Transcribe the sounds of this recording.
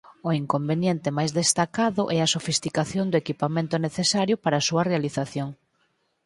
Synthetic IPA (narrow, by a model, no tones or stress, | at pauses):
ʊiŋkombenjent̪ɪmajzðest̪akaðʊʔɛɐsofist̪ikaθjond̪ʊekipamẽnt̪ʊneθesaɾjʊpaɾasuɐrealiθaθjoŋ